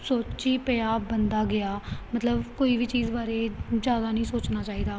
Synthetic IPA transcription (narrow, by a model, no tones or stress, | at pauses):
soːt͡ʃiːpəaːbənd̪aːɡɪaːmət̪ləbkoːiːʋiːt͡ʃiːzbaːɾeːzjaːd̪aːnəɦĩːsoːt͡ʃnaːt͡ʃaːiːd̪aː